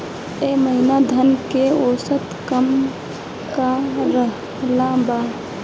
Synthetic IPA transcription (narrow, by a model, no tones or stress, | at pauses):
eməɦinad̪ʱənkeosət̪kəm | kaɾəɦ | lãba